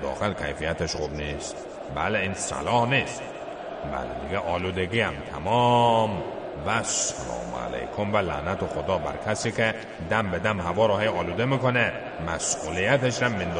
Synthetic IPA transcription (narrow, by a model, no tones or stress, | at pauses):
d̪ɒ̰ːxelkʰæjfijæt̪ʰeʃχubnist̪ | bæleinsæ̰lɒːhniːst̪ | bæ̰led̪iɡeʔɒːluːd̪eɡiːæmt̪ʰæmɒm | væsælɒ̰ːm̰æ̰lḛjkʰomvælæ̰næt̪exod̪ɒːbæɾkʰæsiːkʰe | d̪æmbed̪æmhævɒːɾɒhejɒːluːd̪emikone | mæsʔulijæt̪ʰeʃɾæmːind̪